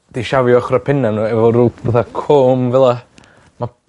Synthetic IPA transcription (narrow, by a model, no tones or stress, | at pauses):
d̥iʃavjɔχrapʰɪnanuɛvɔɾuːlˠəðakʰɔmvɛlˠa | ma